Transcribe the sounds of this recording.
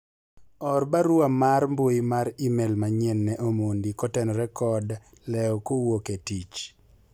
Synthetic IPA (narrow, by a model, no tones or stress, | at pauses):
ɔrbaɾʊamaɾmboimaɾimelmaɲɛnːɛʔomondikɔtɛnɔɾɛkɔd | lɛɔkowoketit͡ʃ